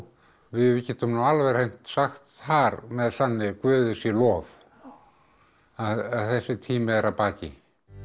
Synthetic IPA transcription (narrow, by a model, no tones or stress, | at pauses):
vɪðvcɛːt̪ʏmnawalvɛr̥ejn̥t̪saxt̪haɾmɛðθanːɪkvœːðɪsilɔːv | aðaðθɛsːɪt̪ʰiːmɪɛɾapaːcɪ̰